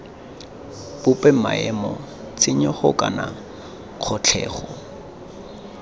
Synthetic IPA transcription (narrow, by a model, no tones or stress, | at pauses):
pʊpɛmaɛmɔ | t͡sɪɲɔχʊkʼana | q͡χʰɔt͡ɬʰɛːχɔ